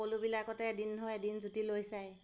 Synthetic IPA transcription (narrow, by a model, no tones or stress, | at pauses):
olubilakɔtɛdinɦojɛdinzutilojsaj